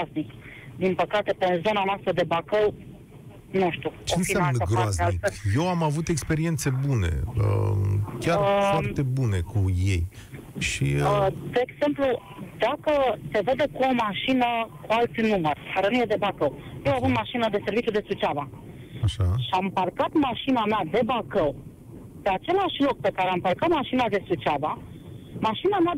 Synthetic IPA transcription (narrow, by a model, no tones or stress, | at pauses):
aznik | d̪inpəkat̪e̞penzo̞nanoast̪ɾəd̪e̞bakəw | nuʃt̪ut͡ʃoenfiaamnɡɾazealikejewamavut̪e̞kspe̞ɾie̞nt̪se̞bune̞̰ə̰kʲarfart̪e̞bune̞kuje̞j | ʃiəd̪e̞ːɡz̥e̞mplu | d̪akəse̞ved̪ekuomaʃinəkualt̪sʲnumərkaɾenujed̪e̞bakəwjewavund̪maʃinəd̪e̞se̞rvit͡ʃud̪e̞sut͡ʃava | aʃaʃiamparkat̪maʃinamead̪e̞bakəw | pe̞at͡ʃe̞laʃlo̞k̚pe̞kaɾeamparkat̪maʃinad̪e̞sut͡ʃavamaʃinama